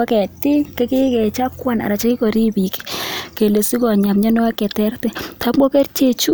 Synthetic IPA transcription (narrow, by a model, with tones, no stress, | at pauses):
a˦kɛ˨tɪ˦kɛ˦kɪ˦kɛ˨t͡ʃa˦kwa˦na̰˨ɾa˨t͡ʃa˦kɪ˦kɔ˨ɾi˦bi˨kke˨le˨si˦kɔ˨ɲa˨mɲa˦nɔ˦a˦kɛ˨tɛ˦ɾtɛ˨tʰa˨˦mɔ˦kɛ˦rt͡ʃe˦t͡ʃu˦